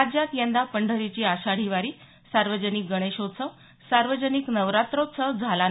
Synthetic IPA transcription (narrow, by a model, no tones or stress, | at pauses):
ad͡ʑjat̪jənd̪apəɳɖʱəɾit͡ɕiːaɕaɽ̤iʋaɾiː | saɾʋəd͡ʑənik̚ɡəɽ̃eɕot͡sʰə | saɾʋəd͡ʑəniknəʋɾat̪ɾot͡sʰəwd͡zʱalan